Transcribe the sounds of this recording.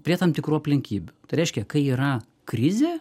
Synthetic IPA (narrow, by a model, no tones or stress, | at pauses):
pʲɾʲiɛt̪ɐmt̪ʲɪkɾuːɐpʲlʲɪŋʲkʲiːbʲʊt̪ɪɾʲɛɪʃʲkʲɛkɐɪiːɾɐ | kɾʲɪzʲeː